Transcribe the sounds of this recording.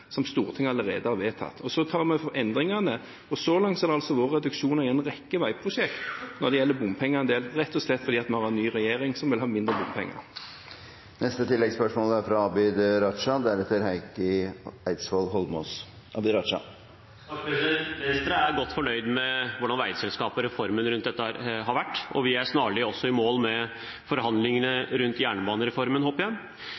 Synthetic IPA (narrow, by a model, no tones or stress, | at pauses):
sɔmst̪uːʁt̪ʰɪŋːəɑlːəɾḛːd̪əhɑːɾʋeːt̪ʰɑ̰t̪ːʰɔsɔt̪ʰɑːɾmɛfɔɛnd̪ʁɪŋɑnə | ɔsɔlɑŋt̪sɛɾd̪ɛɑlsɔʋoːɾəɾɛd̪ʉkʃuːnɑɪɛnʁɛkːəʋæɪpʰɾʊʃɛkt̪nɔd̪ɛjɛlːəbʊmpʰɛŋːəɛnd̪eːlɾɛt̪ːɔslɛt̪ːfɔɾd̪iːɑt̪mɛhɑːɾʁɛnːyːʁɛjeːɾɪŋsɔmʋɪlɦɑːmɪnd̪ɾəbʊmpʰɛ̰ŋːə̰ | nɛst̪ət̪ʰɪlːɛɡspœʂmɔːlæɾfɾɑɑːbɪd̪ɾɑʂɑd̪ɛææɾɛt̪ːəɾɦæɪkəæɪt̪sʋolɦɔlmɔ̰s | ʔɑbɪɾɑʂɑ̰ | mɛst̪ɾəæɾɡɔt̪ːfɔɳœʏd̪mɛʋʊɖɑnʋæɪd̪sɛlskɑːpɔɾɛfɔɾmənɾʉnt̪d̪ɛt̪ːəɑɾɦɑɾʋæʈːɔ̰ʋɪæsnɑːɭɪɔsːɔɪmoːlmɛ | fɔɾhɑnd̪lɪŋənəɾʉnt̪jæːɳəbɑːnəɾɛfɔɾmənhoːpəjæɪ